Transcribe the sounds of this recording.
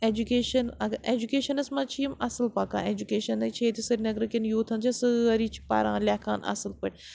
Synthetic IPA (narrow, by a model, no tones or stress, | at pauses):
eːd͡ʒukeːʃɐnɐɡeːd͡ʒukeːʃɐnɐsmɐ̃t͡ʃʰiːmɐsɨlpaːkã̰ːeːd͡ʒukeːʃɐnɐt͡ʃʰeːt̪ʰisɐɾʲnɐɡɾɐkinjoːt̪ʰɐnt͡ʃʰɐsɨɐɾiːt͡ʃʰi̥pa̰ːɾã̰ːlʲaːkʰaːnɐ̰sɨlpɐʈʲ